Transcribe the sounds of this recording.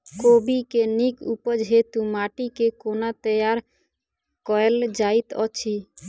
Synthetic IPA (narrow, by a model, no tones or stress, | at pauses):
kobikenikupəd͡ʒɦet̪umaʈikekonat̪əjaɾ | kɔeld͡ʒait̪ɔ̰t͡ʃʰi